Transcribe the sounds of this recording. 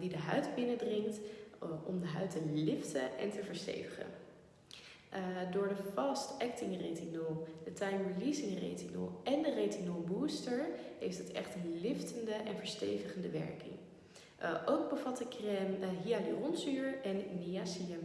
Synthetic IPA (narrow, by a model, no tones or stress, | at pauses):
didəɦœɥtbɪnədrɪŋktɔmdəɦœɥtənlɪftəʔɛ̰ntəvəɹstḛjvəχə̰n | dʊːɹdəfɑstɛk̚tɪŋretinəlˠdətajməlizɪŋrḛtinə̰lˠɛndəretinolˠbuːstəɹɦejftətɛ̰χtənlɪftəndəʔɛnvəɹstḛjvəχəndəʋɛ̰ɹkɪ̰ŋ | ʔowɡ̚bəvɑtəkrɛmɦialirɔnsyɹɛnːiasiəm